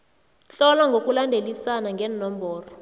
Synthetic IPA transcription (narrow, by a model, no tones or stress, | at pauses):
ɬɔlaŋɡʱokʼulandʱelisanaŋɡʱɛnɔmbʱɔːrɔ